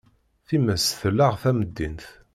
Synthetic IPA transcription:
θiməsθəlːaʁθæməd̪ːinθ

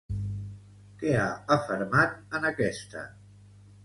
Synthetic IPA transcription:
keaəfəɾmat̪̚ənəkɛst̪ə̰

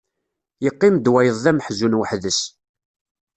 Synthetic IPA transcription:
jəqːɪmd̪wæjəðˤðæməħzunwəħðəʃ

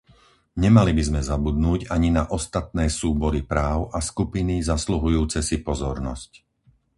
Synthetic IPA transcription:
ɲɛmalibizmɛzabud̪nuːɟaɲinaʔɔst̪at̪̚nɛːsuːbɔɾipɾaːʊʔaskupinizasluɦujuːt͡sɛsipɔzɔɾnɔsc

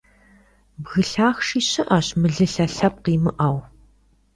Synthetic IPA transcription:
bɣɨɬaːxʂiːɕɨʔɐɕmɨɮɨɬɐɬɐp̚qiːmɨʔɐw

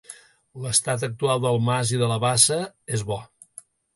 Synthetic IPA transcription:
ləst̪at̪̬ək̚t̪ualˠd̪əlˠmaziðələβasəezβɔ

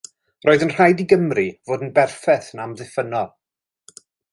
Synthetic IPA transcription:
roːðənr̥ajdiɡəmrivoːdn̩bɛrfɛθnamðɪfənɔ

